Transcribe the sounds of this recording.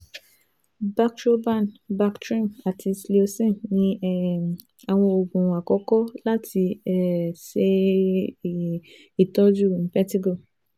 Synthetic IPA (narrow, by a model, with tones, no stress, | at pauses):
ba˦kʃo˦ba˦˨nba˦ktɾĩ˦˨ma˨ti˧sli˦o˧sɛ̃˦˨nĩ˧ | a˨w̃ɔ̃˧o˨ɡũ˨a˨kɔ˦kɔ˦la˦ti˧ɛ˦˨se˧ | i˨tɔ˦d͡ʒu˦i˨n̩˦pɛ˦ti˦ɡo˦˨